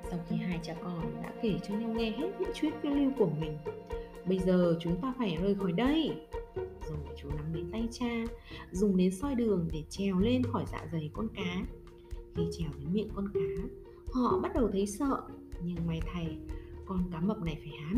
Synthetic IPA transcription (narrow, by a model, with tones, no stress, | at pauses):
sa˧wxi˧ɦaː˧jt͡ɕaː˧˨˩ʔɔː˨˩nɗa̰ː˧˥ke˧˩t͡ɕɔ˧ɲa˧wŋɛ˧ɦe˦˥t̚ɲɨ̰˧˥ŋt͡ɕwi˦˥ət̚kwi˧li˧wku˧˩əmï˨˩ŋ̟ | ɓə˧jzəː˨˩t͡ɕʊ˨˦ŋ͡mt̪aː˧faː˧˩jzəː˨˩jxɔ˧˩jɗə˧j | zo˨˩˨t͡ɕu˨˦na˨˦mɗe˨˦nt̪a˧jt͡ɕaː˧zʊ˨˩ŋ͡mɗe˨˦nsɔ˧jɗɨ˨˩əŋɗe˧˩t͡ɕɛ˨˩wle˧nxɔ˧˩jza̰ː˧˨zə˨˩jkɔ˧nkaː˨˦ | xi˧t͡ɕɛ˨˩wɗə˨˦nmḭ˧˨ənkɔ˧nkaː˨˦ | hɔ̰˧˨ɓa˦˥t̚ɗə˨˩wt̪ʰə˨˦jsə̰ː˧˨ | ɲɨ˧ŋmwaː˨˩jt̪ʰa˨˩jkɔ˧nkaː˨˦mə˨˩p̚na˨˩jfaː˧˩jhaː˨˦n